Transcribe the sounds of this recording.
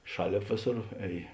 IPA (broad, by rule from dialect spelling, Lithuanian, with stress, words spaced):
ˈʃɑːˌlʲeːp ˈʋʲeːˌsoːr ˈɛːj